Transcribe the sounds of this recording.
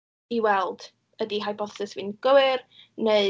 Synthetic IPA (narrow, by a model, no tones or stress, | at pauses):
iwɛlˠd̥ | ədiɦajbɔθɨsvɨnɡ̥əwɨrne